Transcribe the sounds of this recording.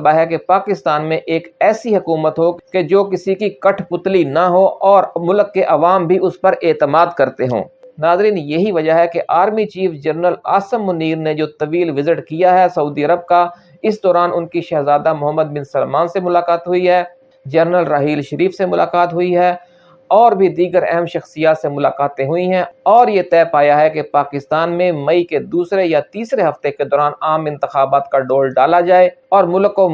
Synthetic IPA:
baɦɛkepaːkɪst̪aːnmẽʔeːkɛːsiɦɐkuːmət̪ɦoked͡ʒoːkɪsikikɐʈʰpʊt̪linaɦoʔɔːɾmʊlkːeʔɐʋaːmbʱiʊspɐɾʔeːt̪əmaːd̪kɐɾt̪eɦõ̰ːnaːzɾiːnjɐɦiʋɐd͡ʒaɦɛkeʔaːɾmit͡ʃiːfd͡ʒɐɾnəla̰ːsəmːʊniːɾned͡ʒoːt̪ɐʋiːlʋɪzɪʈkijaɦɛsɐuːd̪iɐɾəb̚ka | ɪsd̪ɔːɾaːnʔʊnkiʃɛːɦzaːd̪amʊɦəmːəd̪̚bɪ̃nsəlmaːnsemʊlaːkaːt̪ɦʊiɦɛː | d͡ʒɐɾnəlɾaːɦiːlʃɐɾiːfsemʊlaːkaːt̪ɦʊiɦɛː | ɔːɾbʱid̪iːɡəɾɛ̰ɦɛmʃɐxsijaːt̪semʊlaːqaːt̪ẽɦʊiɦɛ̃ɔːɾjet̪ɛːpaːjaɦɛkepaːkɪst̪aːnmẽmɐiked̪uːsɾejat̪iːsɾeɦɐft̪eked̪ɔːɾaːnaːmɪ̃nt̪ɪxaːbaːt̪kaɖoːlɖaːlad͡ʒaːeɔːɾmʊləko

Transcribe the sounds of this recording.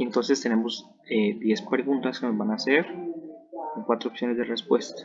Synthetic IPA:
ent̪o̞nse̞st̪ene̞mo̞z | eðje̞spɾe̞ɣunt̪askenozβanaːseɾ | koŋkwat̪ɾopsjo̞nezðere̞spwe̞st̪ḁ

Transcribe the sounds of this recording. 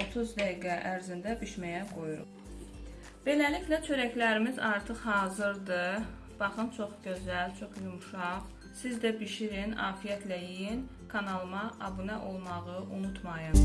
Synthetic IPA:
ot̪ʰuzd̪æiɡæʔæɾzind̪æbiʃmæjæɡo̞juɾṵp | b̥e̞læliçlæt͡ʃʰø̞ɾæclæɾimizɑɾt̪ʰɯχhɑːzɯɾd̪ɯ | b̥ɑχɯnt͡ʃʰo̞χɟø̞zælt͡ʃʰo̞χjumʃɑʁ | sizd̪æbiʃiɾinɑ̰ːfijæt̪ʰlæjijin | kʰɑnɑlˠɯmɑʔɑbunæʔo̞lˠmɑʁɯʔunut̪ʰmɑjɯn

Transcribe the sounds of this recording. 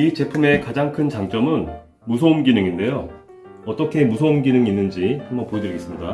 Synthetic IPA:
it͡ɕe̞pʰume̞kad͡ʑaŋkʰɯnt͡ɕaŋt͡ɕ͈ʌmɯn | musʰoumɡinɯŋinde̞jo | ʌt͈ʌkʰe̞musʰoumɡinɯŋinːɯnd͡ʑihambʌnpoedɯɾiɡe̞s͈ɯmɲida

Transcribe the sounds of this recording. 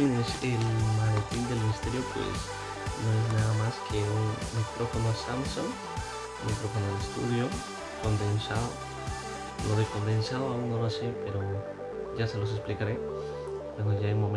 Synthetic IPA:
eŋeselmaɣet̪ind̪e̞lmiist̪e̞ɾjo̞pwḛs | no̞ez̬naðamaskʰeunmikɾo̞fonosamsoŋ | mikɾo̞fonoelest̪ṵðjo | ko̞nd̪ensaðo | loðeko̞mbe̞nsaðoaunolosepe̞ɾo | ʝaselo̞s̬esplikaɾe̞ | eŋɡoʝaejmom

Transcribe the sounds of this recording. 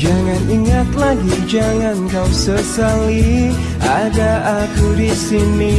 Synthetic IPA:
d͡ʒaŋaniŋat̪laɡid͡ʒaŋankawsəsaliʔadaakudisini

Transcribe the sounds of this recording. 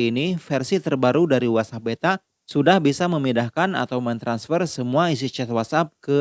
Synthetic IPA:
nifɛrsit̪ərbaɾudaɾiwasabet̪a | sudahbisaməmidahkana̰t̪awmənt̪ɾansfərsəmuais̬it͡ʃɛt̪wasap̚kə

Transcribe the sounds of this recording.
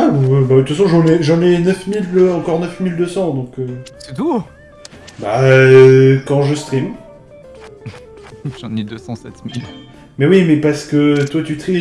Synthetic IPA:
ãbat̪yfas̬ɔ̃ʒɑ̃nɛʒɑ̃nɛnœfmiløɑ̃kɔʁnœfmild̪øsɑ̃d̪ɔ̃køsɛt̪u | ba | kɑ̃ʒəst̪χim | ʒɑ̃nɛd̪øsɑ̃sɛt̪mil | mɛwimɛpaʁsə̥kət̪wat̪yt̪χi

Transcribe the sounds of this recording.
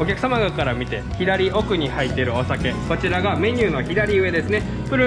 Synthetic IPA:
o̞kʲakɯ̟samaɡakaɾamʲit̪e̞çid̪aɾʲiʔo̞kɯ̟ɲ̟ihait̪ːe̞ɾɯ̟o̞sake̞ko̞t͡ɕiɾaɡamẽ̞ɲ̟ɨːno̞çid̪aɾʲiɯ̟e̞d̪e̞sɨne | pɯ̟ɾɯ̟

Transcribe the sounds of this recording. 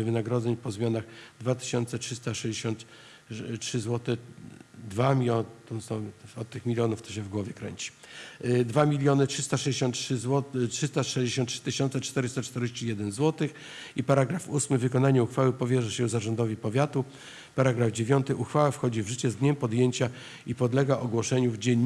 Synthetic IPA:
vɘnaɡɾɔd̪zɛɲpɔzmʲjanaɣd̪vat̪ɘ̥ɪ̥ɕɔnt̪sɛtʂɘst̪aʂɛjd͡ʑeɕɔnt̪ | tʂɘzwɔt̪ɛ | d̪vamʲt̪ɔmsɔɔt̪̚t̪ːɘxmʲilʲjɔnuft̪ɔ̥ɕɛvɡwɔvʲjɛkɾɛ̰ɲt͡ɕi̥ | d̪vamʲilʲjɔnɘtʂɘst̪aʂɛd͡ʑeɕɔ̃nt̪ʂwɔtʂɘst̪aʂɛʑd͡ʑeɕ̬ɔnt̪ʂɘ̥t̪ɘɕɔ̃nt̪sɛt͡ʂt̪ɛɾɘst̪at͡ʂt̪ɛɾeɕt͡ɕijɛd̪ɛnzwɔt̪ɘx | ipaɾaɡɾafusmɘvɘkɔnaɲɛuxfawɘpɔvʲjɛʐɛɕɛzaʐɔnd̪ɔvʲipɔvʲjat̪u | paɾaɡɾavd͡ʑevʲjɔnt̪ɘʔuxfawafxɔd͡ʑivʐɘt͡ɕɛzd̪ɲɛmpɔd̪jeɲt͡ɕa | ipɔd̪lɛɡaʔɔɡwɔʂɛɲuvd͡ʑɛɲ

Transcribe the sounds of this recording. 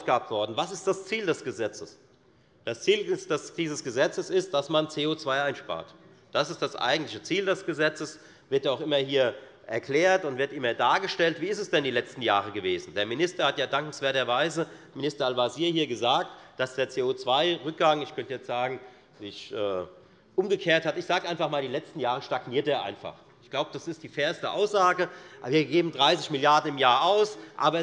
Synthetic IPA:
ʔaʊfɡ̥aːb̚tv̥ɔɐdn̩vasɪst̚d̥ast͡siːldɛsɡ̥əzɛt͡səs | d̥ast͡siːlsd̥ɛsd̥iːzəsɡ̥əzɛt͡səsɪst̚d̥asmant͡seːoːt͡sv̥aɪʔaɪnʃpa̰ːɐt | d̥asɪstd̥asʔa̰ɪɡŋ̩tlɪçət͡siːldɛsɡ̥əzɛt͡səs | vɪɐtaʊxʔɪmɐhiːɐ | ʔɛɐkl̥eːɐtʊntv̥ɪɐtʔɪmɐdaːɡəʃtɛltv̥iːɪstɛsd̥ɛndiːlɛt͡stn̩jaːʁəɡəveːzn̩deːɐmɪnɪstɐhatjaːdaŋkŋ̩sv̥eːɐtɐvaɪzə | mɪnɪstɐalvaziːɐhiːɐɡəzaːktd̥asd̥eːɐt͡seːoːt͡sv̥aɪʁʏk̚ɡ̥aŋɪçkʰœntəjɛt͡stz̥aːɡŋ̩ | viçʔɛː | ʔʊmɡəkʰeːɐthatɪçz̥aːɡəʔaɪnfaχmaːldiːlɛt͡stn̩jaːʁəʃtaɡniːɐteːɐʔa̰ɪnfa̰χ | ɪçɡ̥laʊbəd̥asɪstd̥iːfɛːɐstəʔa̰ʊsz̥aːɡəviːɐɡeːbm̩dʁaɪsɪçmɪljaɐdn̩ɪmjaːɐʔaʊsʔaːbɐ

